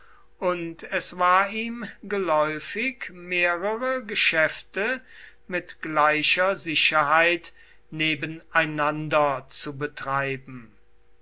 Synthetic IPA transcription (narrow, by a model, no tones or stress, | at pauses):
ʔʊntʰɛsv̥aːɐiːmɡəlɔʏfɪkmeːʁəʁəɡəʃɛftə | mɪtɡ̥laɪʃɐzɪʃɐɦaɪt | neːbənaɪnandɐt͡subətʁ̥aɪbm̩